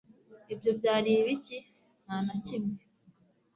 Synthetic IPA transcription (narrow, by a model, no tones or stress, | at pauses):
ibɟo̞bɟaːɾiːβici | n̥haːnacimŋe